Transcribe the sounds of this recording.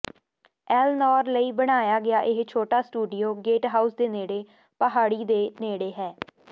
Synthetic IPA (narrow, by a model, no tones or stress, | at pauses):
ɛːlnɔːɾləiːbəɽ̃aːjaːɡɪaːʔɪɦt͡ʃʰoːʈaːsʈuːɖɪjoːɡeːʈɦaːʊsd̪eːneːɽeː | pəɦaːɽiːd̪eːneːɽeːɦɛː